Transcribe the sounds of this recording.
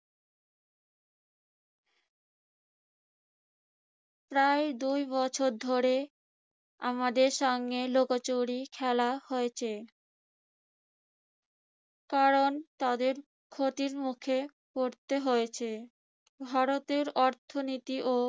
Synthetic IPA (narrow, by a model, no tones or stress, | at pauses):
pɾaed̪ujbɔt͡ɕʰoɾd̪ʱoɾe | a̰mad̪eɾʃɔŋɡelokat͡ɕoɽikʰɛlahoet͡ɕʰe | kaɾont̪ad̪eɾ | kʰot̪iɾmukʰe | koɾt̪eɦojet͡ɕʰe | bʱaɾot̪eɾɔɾt̪ʰonit̪iʔo